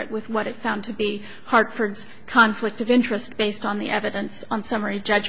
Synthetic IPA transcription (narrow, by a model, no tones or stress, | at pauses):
ɨ̰ʔ̚wɨðwʌɾɨtfãʊ̃ntʰɨbi | hɑɹtfə˞dz̥ | kʰɑ̃ɱflɪk̚tʌvɪ̃nt͡ʃɹ̥ɨst̚b̥eɪstn̩ðḭʔɛvɨɾɨ̃nsn̩sʌmə˞id͡ʒʌd͡ʒ